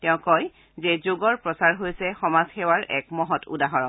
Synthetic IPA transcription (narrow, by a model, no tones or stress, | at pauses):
tɛʊ̃kɔj | zɛzoɡɔɹpɹɔsaɹɦojsɛxɔmazxɛwaɹʔɛ̰kmɔɦɔtʰṵdaɦɔɹɔn